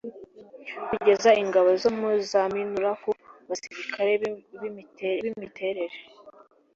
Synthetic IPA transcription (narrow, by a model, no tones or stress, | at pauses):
kuɟe̞zaiŋɡaβozomuzaminuɾakuβasiɾikʰaɾe̞βiiteɾeβimite̞ɾe̞ɾe